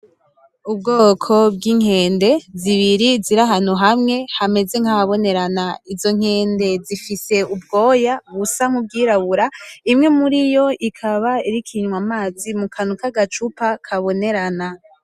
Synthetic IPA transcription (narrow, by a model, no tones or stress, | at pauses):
ubɡoːkʰo̞b̚ɡiːŋ̥he̞ːnde̞ziβiɾiziɾaɦan̥huɦamŋe̞hame̞ze̞ŋ̥haaβo̞ne̞ɾanaizo̞ŋ̥he̞ːnde̞zifise̞ubɡo̞ːjaβusaŋ̥ub̚ɡiːɾaβuɾaimŋe̞muɾijo̞ikʰaβaiɾikʰiɲwamaːzimukʰanukaɡat͡ʃupakʰaβo̞ne̞ɾana